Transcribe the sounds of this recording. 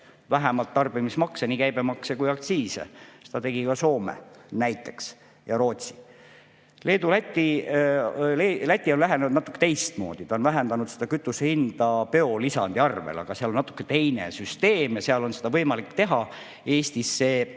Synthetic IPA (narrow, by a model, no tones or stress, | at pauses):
væɦemɑlt̪ːɑrb̥imismɑkseniːkæjb̥emɑksekujɑk̚t̪siːsḛse̥d̪ɑt̪e̞ɡ̥ikɑso̞ːmḛnæjt̪ːˑe̞̥ks | jɑɾo̞ːt̪si̥ | le̞ːd̪ulæt̪ʲːi | lelæt̪ʲːˑio̞llæɦenenud̪nɑt̪ːˑu̥kːet̪e̞jst̪mo̞̰ːd̪̥it̪ɑonvæɦend̪ɑnud̪̥sed̪̥ɑkyt̪ːˑusehind̪̥ɑpe̞o̞lisɑ̰nd̪̥iɑrvḛlɑ̰ɡ̥ɑseɑlonɑt̪ːˑu̥kːe̞t̪e̞jnḛsyst̪e̞ːmjɑse̞ɑlo̞nse̞d̪ɑvɤjmɑlikːt̪e̞ɦɑ | e̞ːst̪isːe̞ː